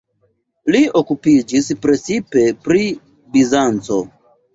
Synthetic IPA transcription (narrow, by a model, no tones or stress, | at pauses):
lio̞kupid͡ʒispɾe̞t͡sipe̞pɾi | bizant͡so̞